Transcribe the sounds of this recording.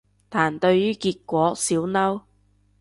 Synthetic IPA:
t̪ʰaː˨˩nt̪ɵ˧ɥyː˥kiː˧t̚kʷɔː˨˥siː˨˥wnɐ˥w

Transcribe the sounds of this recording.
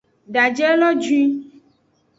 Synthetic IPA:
ɖa˨d͡ʒɛ˦lɔ˦d͡ʒu˦i˦

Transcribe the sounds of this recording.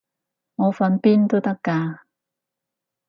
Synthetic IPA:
ŋɔ˨˧fa˨˧npi˥nt̪o˥t̪ɐ˥kːaː˧

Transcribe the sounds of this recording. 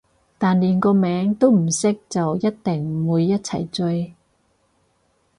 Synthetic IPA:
t̪aː˨˩nliː˨˩nkɔː˧mɛː˨˥ŋt̪o˥wm̩˨˩sɪ˥k̚t͡sɐ˨wjɐ˥t̚t̪ɪ˨˩ŋ˨wuː˨˧jːɐ˥t̚t͡sʰɐ˨˩jt͡ʃɵ˧j

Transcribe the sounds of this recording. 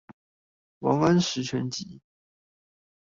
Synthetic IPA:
wɑ˧˥ŋə˥nʂɻ̩˧˥ʈ͡ʂʰɛ˧˥nt͡ɕi˧˥

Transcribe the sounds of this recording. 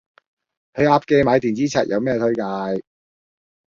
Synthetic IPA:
hɵ˨˧ɥaː˧p̚ke˧jmaː˨˧jt̪iː˨nt͡siː˨˥t͡sʰa̰˨˩t̚jʔɐ˨˧wmɛː˥t̪ʰɵ˥ɥkaː˧j

